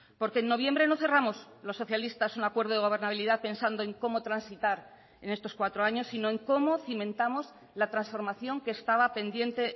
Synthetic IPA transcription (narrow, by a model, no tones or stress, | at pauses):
po̞ɾke̞ːnːo̞βje̞mbɾe̞no̞θe̞ramo̞s | lo̞sːo̞θjalist̪asunakwe̞ɾðoð̞e̞ɣo̞β̞e̞ɾnaβiliðaθpe̞nsand̪o̞eŋko̞mo̞t̪ɾansit̪aɾ | e̞ne̞st̪o̞skwat̪ɾoaɲo̞sːino̞eŋko̞mo̞θimẽnt̪amo̞s | lat̪ɾansfo̞ɾmaθjo̞ŋke̞ːst̪aβape̞nd̪je̞nt̪e̞